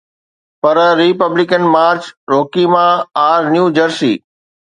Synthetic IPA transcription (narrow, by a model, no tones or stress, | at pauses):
pɐɾɾipɐblɪkənmaːɾt͡ɕɾoːkimãːaːɾnjuːd͡ʑɐɾsḭː